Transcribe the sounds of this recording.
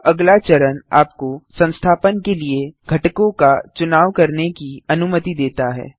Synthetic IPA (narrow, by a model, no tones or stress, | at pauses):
ɐɡlat͡ʃɐɾəna̰ːp̚kosɐ̃nst̪ʰaːpənkelieɡʱɐʈkõkat͡ʃʊnaːʋkɐɾnekiɐnʊmət̪id̪eːt̪aɦɛ̰ː